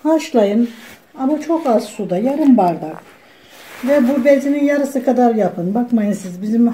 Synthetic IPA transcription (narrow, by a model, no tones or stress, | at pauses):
haʃlˠajɯn | amat͡ʃʰo̞kazsud̪ajaɾɯmbaɾd̪ak | vɛbubɛlʲzinijaɾɯsɯkʰad̪aɾjapʰɯnbakmajɯnsizbizim